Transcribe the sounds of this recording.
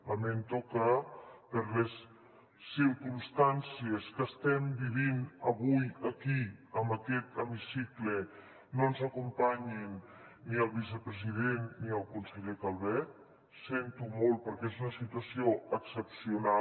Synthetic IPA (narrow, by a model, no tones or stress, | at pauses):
lament̪ɔkapəɾlesː | iɾkunst̪ansieskəst̪ɛmbiβ̞inəβujəkiəmbəkɛt̪əmisikle | nonzəkumpaɲinː | iəlˠβis̬əpɾəziðenːiəlˠkunseʎekalβɛ | sent̪umolˠpəɾkɛezunəsit̪uasioəksəpsiuna